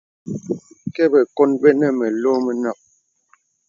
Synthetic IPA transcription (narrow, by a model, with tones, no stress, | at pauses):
kɛ˦bɛ˨ko˦nbɛ˦nɛ˦˨mɛ˨lo˦mɛ˦na˨p̚